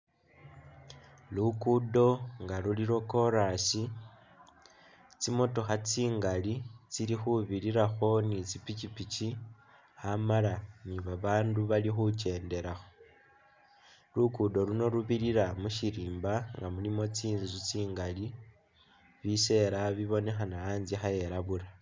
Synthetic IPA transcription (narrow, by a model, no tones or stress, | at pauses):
lukudo̞ŋɡaluliɾo̞ko̞ɾasi | t͡simo̞to̞xat͡siːŋɡalit͡silixuβiɾiɾaxo̞nit͡sipit͡ʃipit͡ʃi | amalaniβaβaːnduβalixut͡ʃe̞ːnde̞ɾaxo̞ | lukudo̞luno̞ɾuβiɾiɾamuʃiɾiːmbaŋɡamulimo̞t͡siːnzut͡siːŋɡali | βise̞ɾaβiβo̞ne̞xanaaːnzixaje̞ɾaβuɾa